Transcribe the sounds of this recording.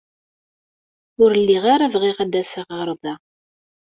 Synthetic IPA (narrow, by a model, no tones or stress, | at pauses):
ʊɾəlːiʁaɾavʁiʁæd̪æsaʁɾˤðˤa